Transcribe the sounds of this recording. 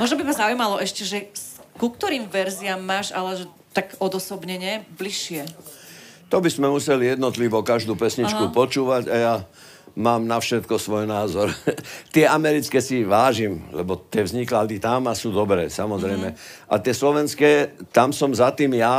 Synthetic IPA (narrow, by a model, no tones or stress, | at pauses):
mʊɔʒnɔbimazaujmalɔʔɛʃcɛʒɛskuk̚t̪ɔɾiːmʋɛɾziamːaːʒalɛʒɛ | t̪aɡɔd̪ɔsɔbɲɛɲɛbliʃɪɛ | t̪ɔbizmɛmusɛlijɛd̪nɔt̪liʋɔkaʒd̪uːpɛsɲit͡ʃkupɔt͡ʃuːʋaɟaja | maːmnafʃɛt̪kɔsʋɔjnaːzɔɾt̪ɪɛamɛɾit͡skɛsiʋaːʒimlɛbɔt̪ɪɛvzɲiklad̪it̪amasuːd̪ɔbɾɛ̰ːsamɔzɾɛjmɛʔa̰t̪ɪɛslɔʋɛnskɛt̪amsɔmzat̪iːmja